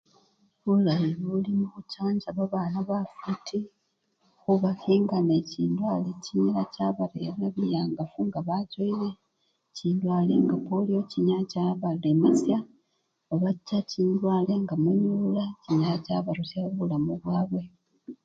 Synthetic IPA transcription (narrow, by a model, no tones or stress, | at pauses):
julaiβulimuβucaːɲɟaβaβanaβafutʰi | xuβafiːŋɡane̞ciːndwaːleciɲilacaːβaɾejanaβijaŋɡafuŋɡaβacoile̞ | ciːndwaːleŋɡapoliwociɲacaβaɾemasja | oβacːaciːndwaːle̞ŋɡamujuːlaciɲalacaːβaɾocaβuulamuβwaːβwe̞